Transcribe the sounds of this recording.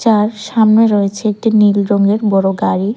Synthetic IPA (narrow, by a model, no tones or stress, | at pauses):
t͡ɕaɾʃamneɾɔet͡ɕʰeek̚ʈinilɾoŋɡeɾbɔɾoɡaɾi